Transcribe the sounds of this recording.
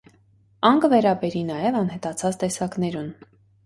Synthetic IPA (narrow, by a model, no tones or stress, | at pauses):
ɑŋkəvɛɾɑbɛɾinɑjɛvɑnɦɛt̪ɑt͡sʰɑt͡st̪ɛsɑknɛɾun